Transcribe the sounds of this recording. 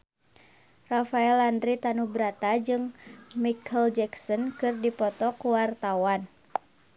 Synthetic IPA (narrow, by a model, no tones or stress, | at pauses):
rafaɛlandɾit̪anubɾat̪ad͡ʒɨŋmikʰɛld͡ʒɛksɔnkɨrdipɔt̪ɔkuwart̪awan